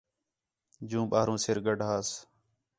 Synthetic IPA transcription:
d͡ʒũːɓaːɦɾũːsɪɾɡəɖʱɦaːs

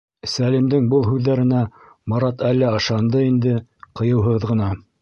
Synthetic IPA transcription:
sælimd̪ɘŋbɤlˠɦʉðːæɾɘ̆næ | mɑɾɑt̪ælːæɤ̆ʃɑnd̪ɤind̪ɘqɤ̆jɤ̆wɦɤʁðʁɤ̆nɑ

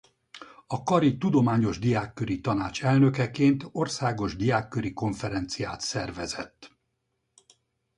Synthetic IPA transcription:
ɒkɒɾit̪ud̪o̞maːɲo̞ʒd̪ijaːkːø̞ɾit̪ɒnaːt͡ʃɛlnø̞kɛkeːnt̪o̞rsaːɡo̞ʒd̪ijaːkːø̞ɾiko̞ɱfɛɾɛnt̪sijaːt̪sɛrvɛzɛt̪ː

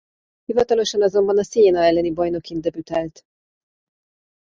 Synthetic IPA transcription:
hivɒt̪ɒlo̞ʃɒnɒzo̞mbɒnɒseeːnɒɛlːɛnibɒjno̞kind̪ɛbyt̪ɛlt̪

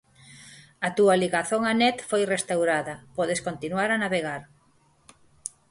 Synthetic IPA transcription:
ɐt̪uɐliɣaθoŋanɛt̪fojrest̪awɾaðɐpɔðeskont̪inwaɾanaβeɣaɾ

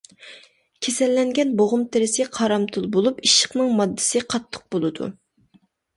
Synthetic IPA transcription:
kʲʰesɛlːɛŋɡʲɛnboʁʊmt̪ʰɪɾɪsɪqʰɑɾɑmt̪ʰulˠbolˠupiʃə̥χnɨŋmɑd̪ːɨ̥sɨqʰɑt̪ʰːə̥q̚bolˠɨd̪ṵ

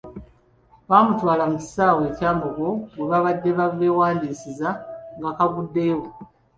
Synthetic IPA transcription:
βaːmutwaːlamuci̥saːwe̞ːcaːmboɡoweβaβadːe̞βave̞waːndiːsizaŋɡakaβudːe̞ːwo

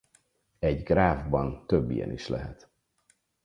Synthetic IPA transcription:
ɛɟɡraːvbɒnt̪øbːijɛ̰niʃlɛɦɛt̪

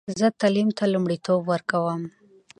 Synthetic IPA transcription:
zət̪alimt̪alumɽit̪obwəɾkawəm

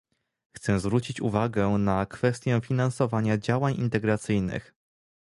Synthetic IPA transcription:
xt̪sɛ̃zvɾut͡ɕit͡ɕṵvaɡɛnakfɛst̪ʲjɛfʲinansɔvaɲad͡ʑawaɲḭnt̪ɛɡɾat̪sɘjnɘ̰x

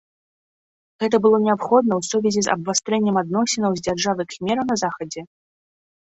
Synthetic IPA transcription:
ɣɛt̪̬ɐbɨlˠɔnʲɛapxɔd̪̚nɐwsuvʲɛzʲizɐ̰bvast̪ɾɛnʲːɛmad̪̚nɔsʲɛnɐwzʲd͡zʲarʐavɨxmʲɛɾɐwnɐzaxɐd͡zʲɛ

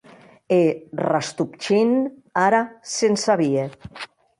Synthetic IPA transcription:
erast̪up̚t͡ʃin | aɾasensaβie

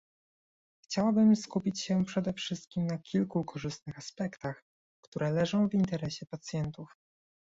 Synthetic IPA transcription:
xt͡ɕawabɘmskupʲit͡ɕɕɛpʂɛd̪ɛfʂɘst̪̚kʲimnakʲʰilkukʰɔʐɘst̪nɘxaspɛkt̪ax | kt̪uɾɛlɛʐɔ̃w̃vint̪ɛɾɛɕɛpat̪sʲjɛnt̪uf

